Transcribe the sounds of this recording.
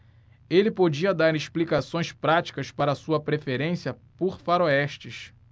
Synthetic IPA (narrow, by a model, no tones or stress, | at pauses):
elɪpod͡ʒiɐd̪aɾeʃplikasõj̃spɾat͡ʃi̥kɐspaɾɐsuɐpɾefeɾẽsiɐpoɾfaɾoɛʃt͡ʃɪʃ